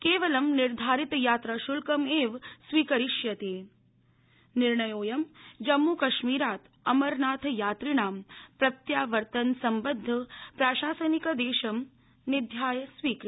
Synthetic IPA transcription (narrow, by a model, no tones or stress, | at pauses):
keːʋɐlɐmniɾd̪ʱaːɾit̪jaːt̪ɾaːʃulkɐmeːʋsʋiːkɐɾiʃjɐt̪eː | niɾɳɐjoːjɐmd͡ʒɐmːukɐʃmiːɾaːt̪ | ɐmɐɾnaːt̪ʰjaːt̪ɾiɳaːmpɾɐt̪jaːʋɐɾt̪ɐnsɐmbɐd̪ʱːɐpɾaːʃaːsɐnikɐd̪eːʃɐm | nɪd̪ʱjaːjɐsʋiːkɾi